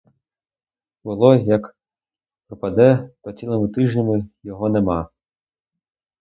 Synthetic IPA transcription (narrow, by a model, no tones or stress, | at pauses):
bʊlˠɔjɐk | pɾɔpɐd̪ɛt̪ɔt͡sʲilˠɔmʊt̪ɪʒnʲɐmɪjɔɦɔnemɑ